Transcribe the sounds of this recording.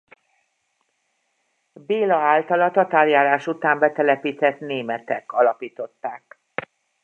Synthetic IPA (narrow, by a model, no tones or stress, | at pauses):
beːlɒaːlt̪ɒlɒt̪ɒt̪aːrjaːlaːʃut̪aːmbɛt̪ɛlɛpiːt̪ɛt̪neːmɛt̪ɛkɒlɒpiːt̪o̞t̪ːaːk